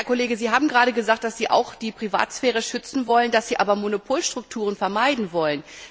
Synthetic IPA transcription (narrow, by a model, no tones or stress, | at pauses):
hɛɐkʰoleːɡəziːɦaːbm̩ɡʁaːɾəɡəzaːkt̚d̥asz̥iːʔa̰ʊxd̥iːpʁ̥iva̰ːtsfɛːʁ̞əʃʏt͡sn̩vɔlənd̥asz̥iːʔaːbɐmonopʰoːlʃtʁ̥ʊk̚tʰuːʁ̞ənfɛɐmaɪdn̩vɔlən